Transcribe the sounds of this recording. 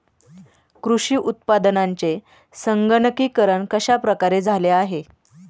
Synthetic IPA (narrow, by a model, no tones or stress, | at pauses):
kɾuʂiːʔut̪̚pad̪ənaɲt͡se | səŋɡəɳəkiːkəɾəɳkəɕapɾəkaɾed͡zʱaleaɦe